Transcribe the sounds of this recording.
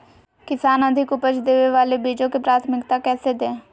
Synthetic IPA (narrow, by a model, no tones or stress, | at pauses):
kɪsaːnəd̪ʱɪkʊpət͡ʃd̪eːʋeʋaːleːbiːd͡ʒõːkepɾaːt̪ʰmɪkt̪aːkɛːsed̪ẽː